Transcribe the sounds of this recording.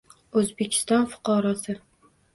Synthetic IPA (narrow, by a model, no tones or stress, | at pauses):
ɵzbekʲʰɪ̥st̪ɒnfʊ̥qɒɾɒsɪ